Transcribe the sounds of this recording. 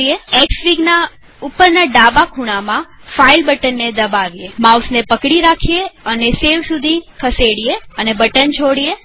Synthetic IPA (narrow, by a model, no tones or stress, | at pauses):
eeksʋiɡna | upːəɾnaɖabakʰuɽ̃amãfailbəʈənːed̪əbaʋiemawsnepəkɽiɾakʰijeəneseʋsud̪ʱikʰəseɽijeənebəʈənt͡ʃʰoɽije